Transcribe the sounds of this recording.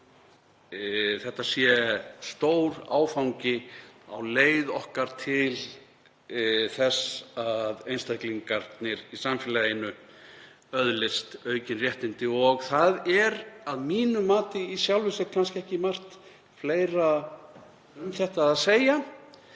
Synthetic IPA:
θɛht̪ːasjɛst̪oːwɾa̰ːwfawɲcɪa̰wleːjðɔhkaɾ̥t̪ʰɪl | θɛsaðejnst̪akliŋkaɾt̪nɪɾisamfɪlajɪnːʏ | œðlɪst̪œːɥcɪnrjɛht̪ɪnt̪ɪɔɣθaðɛɾaðmiːnʏmaːt̪ɪisjawlvɪsɛɾkʰanscɪɛhcɪmar̥t̪ | fleːjɾa | ʏmθɛht̪aaðseːja

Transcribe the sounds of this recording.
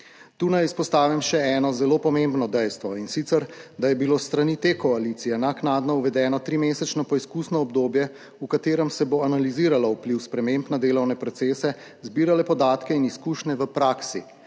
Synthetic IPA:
t̪uːnajispɔst̪aːʋimʃɛɛːnɔzɛloːpɔmembnɔd̪ɛjst̪ʋɔinsit̪sɛɾd̪ajɛbilost̪ɾanit̪ekɔalit̪sijɛnaknaːd̪nɔuʋɛd̪ɛːnɔt̪ɾimeːsɛt͡ʃnɔpɔiskuːsnɔɔbd̪oːbjɛ | ukat̪eːɾɛmsɛboanaliziːɾalaupliwspɾɛmempnad̪eːlɔwnɛpɾɔt̪seːsɛ | zbiːɾalɛpɔd̪aːt̪kɛiniskuːʃnɛʋəpɾaːksi

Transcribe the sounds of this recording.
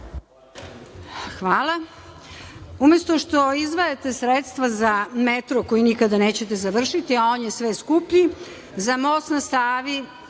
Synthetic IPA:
xʋaːlˠa | ume̞st̪o̞ʃt̪o̞izʋajet̪e̞sɾet̪st̪ʋazamet̪ɾoko̞jinikad̪aneːt͡ɕe̞t̪ezaʋr̩ʃit̪iaoːnjesʋeskupʎi | zamosnast̪aːʋi

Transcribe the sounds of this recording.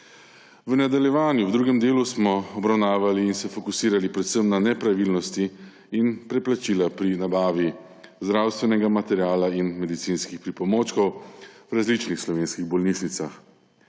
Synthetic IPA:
ʋnad̪aljɛʋaːnjuwd̪ɾuːɡɛmd̪eːlusmɔɔbɾawnaːʋaliːnsɛfɔkusiːɾalipɾɛt̪səmnanɛpɾaʋiːlnɔst̪iː | npɾɛplat͡ʃilapɾinabaːʋi | zd̪ɾaːwst̪ʋɛnɛɡamat̪ɛɾjaːlainmɛd̪it̪sinskixpɾipɔmoːt͡ʃkɔwwɾazlit͡ʃnixslɔʋeːnskiɣbɔlniʃnit̪sax

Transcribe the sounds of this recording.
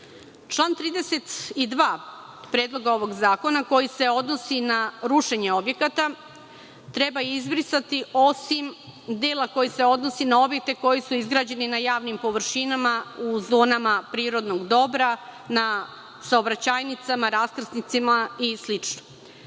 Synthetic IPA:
t͡ʃlˠaːnt̪ɾiːd̪e̞se̞t̪id̪ʋaː | pɾe̞ːd̪lˠo̞ɡao̞ʋo̞ɡzaːko̞nako̞jise̞o̞d̪no̞sinaɾuʃe̞ɲe̞o̞bje̞kat̪a | t̪ɾe̞baizbɾisat̪io̞simd̪eːlˠako̞jise̞o̞d̪no̞sinao̞bje̞k̚t̪e̞ko̞jisuizɡɾaːd͡ʑe̞ninajaːʋnimpo̞ʋr̩ʃinamauzo̞ːnamapɾiːɾo̞d̪noɡd̪o̞bɾana | saobɾat͡ɕaːjnit̪samaɾaskr̩snit̪simaislit͡ʃno

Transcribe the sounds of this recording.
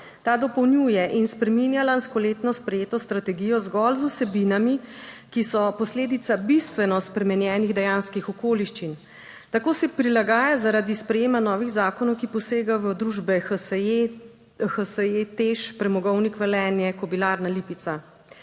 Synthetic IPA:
t̪aːd̪ɔpɔwnjuːjɛʔinspɾɛminjalanskɔleːt̪nɔspɾɛjeːt̪ɔst̪ɾat̪ɛɡijɔzɡɔlzusɛbinamikisɔpɔsleːd̪it̪sabist̪ʋɛnɔspɾɛmɛnjɛːniɣd̪ɛjaːnskixɔkoːliʃt͡ʃin | t̪akoːsɛpɾilaɡaːjazaɾad̪ispɾɛjeːmanɔːʋiɣzaːkɔnɔwkipɔseːɡaʋəd̪ɾuʒbɛ | xəsəjet̪eʃpɾɛmɔɡɔwnikʋɛlɛːnjɛkɔbilaːɾnalipit̪sa

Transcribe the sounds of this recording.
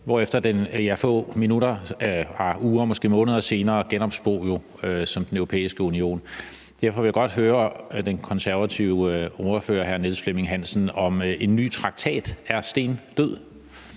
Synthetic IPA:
ʋɒefd̥ɐd̥enjæfɔ̰ːminuɾɐɑuːɐmɒ̽sɡ̥e̝̰ːmɔ̽ːnəð̞ˠɐse̝ːnɐːɡ̥enɒ̽b̥sb̥o̰ːjo̝ | øsɒ̽md̥enøʊʁo̝pʰḛːisɡ̥əunio̝̰ːn | d̥eɐfɒ̽ʋe̝jaɡ̥ɒ̽d̥ɦøːɐd̥enkʰɒ̽nsæɐʋæt͡sʰiʊɒɐfø̰ːɐɦæɐneðˠsfleme̝ŋɦænsn̩ɒ̽me̝nːy̰ːt͡sʰʁɑ̈ɡ̥̚t͡sʰɛ̰ːd̥æɐsd̥e̝̰ːnd̥øð̰ˠ

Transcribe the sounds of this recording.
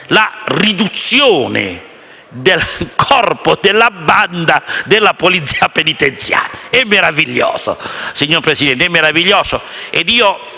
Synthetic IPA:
larid̪ut̪sːjoːnɪ̰ | d̪elkʰɔrpod̪elːabːand̪ad̪elːapolit̪sːiːapenit̪ent̪sja̰ːɾjaɛmːeɾaviʎːɔ̰ːso̰siɲːoɾpɾesid̪ɛnt̪ɛmːeɾaviʎːɔːso | ɛd̪iːo

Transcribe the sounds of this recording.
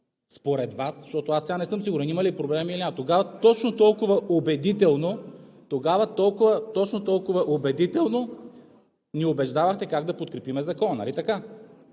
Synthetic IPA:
spoɾɛd̪vasʃt̪ɔt̪oasɛɡanɛsɤmsiɡʊɾɛnimɐlipɾoblɛmilinʲat̪oɡavɐt̪ɔt͡ʃnot̪ɔlˠkʊvɐʔobɛd̪it̪ɛlˠno | t̪oɡavɐt̪ɔlˠkʊvət̪ɔt͡ʃnot̪ɔlˠkʊvɐʔobɛd̪it̪ɛlˠno | niobɛʒd̪avɐxt̪ɛkaɡd̪ɐpot̪kɾɛpimɛzɐkɔnɐ̰lit̪ɐka

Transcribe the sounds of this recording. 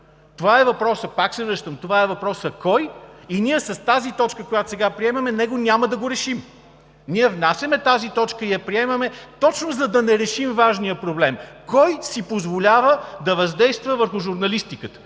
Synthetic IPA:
t̪ovaɛvɐpɾɔsəpaksɛvɾəʃt̪əmt̪ovaɛvɐpɾɔsəkɔjiniɛsɐst̪azit̪ɔt͡ʃkəkojat̪o̥sɛɡapɾiɛmɐmɛnɛɡonʲaməd̪ɐɡoɾɛʃim | nʲiɛvnasʲɐmɛt̪azit̪ɔt͡ʃkəid̪ɐpɾiɛmɐmɛt̪ɔt͡ʃnozɐd̪ɐnɛɾɛʃimvaʒnijəpɾoblɛmkɔjsipozvolʲavəd̪ɐvɐzd̪ɛjst̪vəvəɾxʊʒuɾnɐlist̪ikət̪ə̥

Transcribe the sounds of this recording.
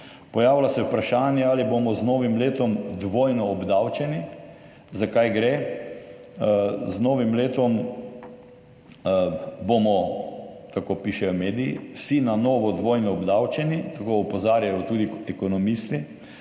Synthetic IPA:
pɔjaːʋwlasɛwpɾaʃaːnjɛalibomɔznoːʋimleːt̪ɔmd̪ʋoːjnɔːbd̪awt͡ʃɛni | zakajɡɾe | znoːʋimleːt̪ɔm | bomɔ | t̪akopiʃɛjɔmeːd̪ijḭwsinanoːʋɔd̪ʋoːjnɔɔbd̪awt͡ʃɛnit̪akoːupɔzaːɾjajɔt̪uːd̪iɛkɔnɔmist̪i

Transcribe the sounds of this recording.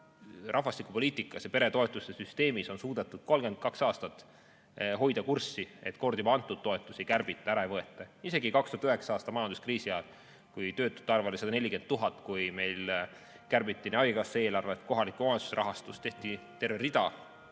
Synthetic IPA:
rɑhvɑst̪ikˑupo̞liːt̪ˑikːˑɑsjɑpe̞ɾe̞t̪o̞e̞t̪ːˑust̪ːesyst̪e̞ːmiso̞nsuːd̪et̪ːˑud̪̥ko̞lɡend̪̥̚kɑksɑːst̪ɑt̪ː | ɦo̞jd̪̥ɑkursie̞t̪ko̞rd̪ibɑnt̪ːˑud̪̥t̪ːo̞e̞t̪ːˑusejkærb̥it̪ːˑɑæɾɑejvɤe̞t̪ːˑɑise̞ɡikɑkst̪uhɑt̪yɦeksɑɑːst̪ɑmɑjɑnd̪uskriːsijɑːt | kujt̪ø̞ːt̪ːˑu̥t̪ːɑrvelesɑd̪̥ɑne̞lʲike̞nt̪̚t̪ːuɦɑt̪ːˑkujme̞jl | kærb̥it̪ːˑineɑjkɑsee̞ːlɑrvet̪ko̞ɦɑlikːˑumɑensu̥seɾɑɦɑst̪ust̪e̞ht̪it̪e̞rverid̪̥ɑ

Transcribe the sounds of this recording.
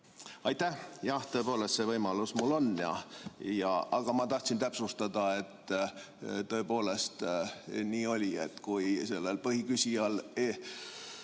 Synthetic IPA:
ɑjt̪æhjɑht̪øːpo̞ːle̞st̪se̞vɤjmɑlusmulːo̞nːjɑ̰jɑ̰ɑɡ̥ɑmɑt̪ɑht̪sint̪æpsust̪ɑd̪ɑe̞t̪ː | t̪ø̞epo̞ːle̞st̪niːo̞lʲiḛt̪kujse̞lːelpɤhikysʲiɑle

